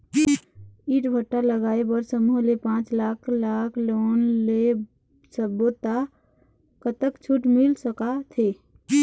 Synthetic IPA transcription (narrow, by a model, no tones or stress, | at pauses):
iːʈbʱəʈːaləɡaːebəɾsəmuɦlepãːt͡ʃlaːkʰlaːkʰloːnle | səbot̪ːa | kət̪əkt͡ʃʰuʈmɪlsəkat̪ʰeː